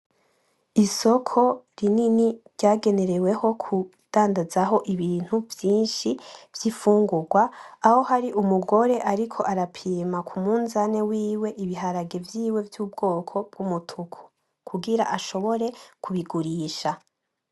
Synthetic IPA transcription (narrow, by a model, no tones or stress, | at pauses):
iso̞kʰo̞ɾininiɾɟaːɡe̞ne̞ɾe̞we̞ho̞kʰu | d̥aːndazaɦo̞ʔiβiːn̥huvjiːnʃiv̥jifuːŋɡuɾɡwaːho̞haɾiʔumuɡo̞ɾe̞ʔaɾikʰo̞ʔaɾapʰiːmakʰumuːnzane̞wiːwe̞ʔiβiɦaɾaɡe̞vjiːwe̞vjuːbɡo̞ːkʰo̞b̥̚ɡ̥umutʰukʰu̥ | kʰuɡiɾa̰ʔaʃo̞βo̞ɾe̞kʰuβiɡuɾiːʃa